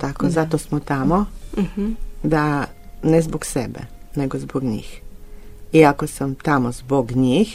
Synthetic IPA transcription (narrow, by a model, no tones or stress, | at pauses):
t̪aːkozat̪osmɔt̪aːmɔ | d̪a | nɛzbɔksɛbɛ̰ | nɛɡɔzbɔɡɲḭːx | iakosəmt̪amɔzboɡɲix